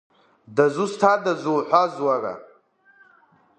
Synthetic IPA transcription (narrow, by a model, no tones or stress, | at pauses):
dazustʰadazuwħʷazwara̰